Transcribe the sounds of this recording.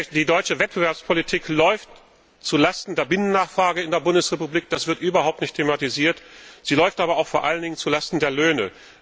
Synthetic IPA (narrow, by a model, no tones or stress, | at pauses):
d̥iːdɔʏt͡ʃəvɛt̚b̥əvɛɐpspʰolitʰiːklɔʏft | t͡sulastn̩deːɐbɪnənːaːχfʁ̥aːɡəɪndeːɐbʊndəsʁepubliːk̚d̥asv̥ɪɐtʔyːbɐhaʊp̚tnɪçtʰematiziːɐtz̥iːlɔʏftʔaːbɐaʊxfoːɐʔaləndɪŋənt͡sulastn̩deːɐløːnə